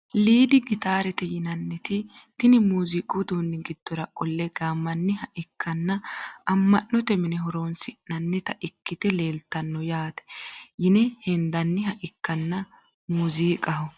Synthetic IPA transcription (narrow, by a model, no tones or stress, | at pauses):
liːd̪ɪɡɪt̪aːɾɛt̪ɛjɪnɐnːɛt̪ɪ | t̪ɪnɪmuːzikʼod̪oːnːɪɡɪd̪̥ːɔɾɐʔʼɔlːɛɡaːmːɐnːɪhɐʔɪkʰːɐnːɐʔɐmːɐnːɔt̪ɛmɪnɛɦɔɾoːnsɪʔnɐnːɛt̪ɐʔɪkːɪt̪ɛle̞ːlt̪ɐnːɔjaːt̪ɛ̥jɪnɛhɛnd̪ɐnːɪɦɐʔɪkːɐnːɐ | muːziːkʼɐɦɔ